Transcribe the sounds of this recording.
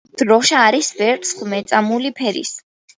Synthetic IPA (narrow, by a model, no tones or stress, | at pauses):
d̪̥ɾɔʃaːɾisbɛɾt̪ʼsχmɛt̪sʼamulipʰɛɾḭs